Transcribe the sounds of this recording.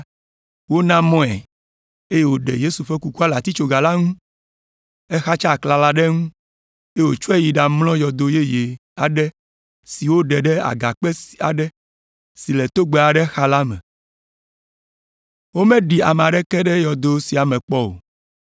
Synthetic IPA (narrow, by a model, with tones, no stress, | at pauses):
wo˦nã˦mɔ̃˦ɛ̰˨ | e˦je˨wo˨ɖɛ̰˨je˦su˨ɸɛ˦ku˦ku˦a˦la˨t̪i˦t͡ʃo˦ɡa˨la˦ŋũ˦ | ɛ˦xa˦t͡ʃa˦˨kla˨la˦ɖɛ˦ŋũ˦ | e˦wo˨t͡ʃu˦ɛ˦ji˨ɖa˨mlɔ̃˦jɔ˨d̪o˨je˦je˨a˨ɖɛ˦ | si˨wo˦ɖɛ˨ɖɛ˦a̰˨ɡa˨k͡pɛ˦si˨a̰˨ɖɛ˦ | si˨lɛ˨t̪o˦ɡ͡be˨a˨ɖɛ˦xa˦la˦mɛ̰̃˨ | wo˦mɛ̃˦ɖi˨a̰˨me˨a˨ɖɛ˦kɛ˦ɖɛ˦jɔ˨d̪o˨si˨a˨mɛ̃˨k͡pɔ˦o̰˨